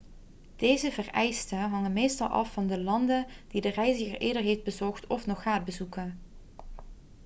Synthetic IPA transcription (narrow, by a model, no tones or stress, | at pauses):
d̥ejzəvərɛjstənɦɑŋənmejstɑlˠʔɑ̰fːɑndəlɑndənd̥idərɛjzəxəɹʔeːdəɹɦejfd̚bəzɔχtɔfnɔχaːt̚bəzukən